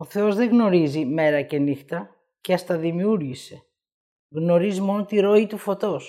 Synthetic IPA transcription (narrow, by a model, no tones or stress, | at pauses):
oθe̞o̞zðe̞ɣno̞ɾizime̞ɾɐce̞nixt̪ɐ | ceɐst̪ɐðimiuɾʝise̞ | ɣno̞ɾizmo̞not̪iɾo̞it̪ufo̞t̪o̞s